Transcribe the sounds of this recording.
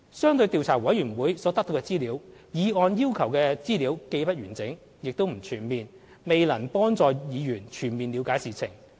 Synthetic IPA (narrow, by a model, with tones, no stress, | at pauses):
sœː˥ŋt̪ɵ˧ɥt̪iː˨˧wt͡sʰaː˨˩wɐ˨˥jyː˨˩wuː˨˥jsɔː˨˥t̪ɐ˥k̚t̪o˧wkɛː˧t͡siː˥liː˨˥wjiː˨˧ɔː˧njiː˥wkʰɐ˨˩wkɛː˧t͡siː˥liː˨˥wke˧jpɐ˥t̚jyː˨˩nt͡sɪ˨˥ŋ | jɪ˨k̚t̪o˥wm̩˨˩t͡ʃʰyː˨˩nmiː˨n | me˨jlɐ˨˩npɔː˥ŋt͡sɔː˨jiː˨˧jyː˨˩nt͡ʃʰyː˨˩nmiː˨nliː˨˧wkaː˨˧˥jsiː˨t͡sʰɪ̰˨˩ŋ